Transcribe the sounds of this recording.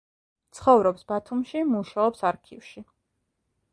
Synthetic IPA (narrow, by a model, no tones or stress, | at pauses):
t̪sʰχɔvɾɔpsbat̪ʰumʃimuʃaɔpsaɾkʰifʃi